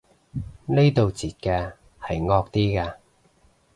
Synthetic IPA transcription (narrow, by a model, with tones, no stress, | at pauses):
ne˥jt̪o˨wt͡siː˨t̚kɛː˧ | hɐ˨jŋɔː˧k̚t̪iː˥kaː˧